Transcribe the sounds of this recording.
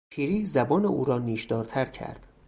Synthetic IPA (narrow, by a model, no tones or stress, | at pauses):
pʰiːɾiːzæbɒːneṵːɾɒːniːʃd̪ɒːɾt̪ʰæɾcʰæ̰ɾd̪̥